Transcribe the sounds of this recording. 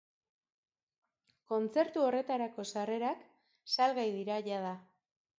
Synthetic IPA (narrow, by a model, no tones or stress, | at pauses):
ko̞nt͡se̞ɾt̪uo̞re̞t̪aɾako̞sare̞ɾak | salɣajðiɾaʝað̞a